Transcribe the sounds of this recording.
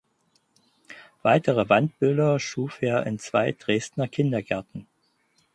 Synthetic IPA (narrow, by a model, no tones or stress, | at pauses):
v̥aɪtʰəʁəvant̚b̥ʏldɐʃuːfʔeːɐʔɪ̰nt͡sv̥a̰ɪd̥ʁeːstnɐkʰɪndɐɡɛɐtn̩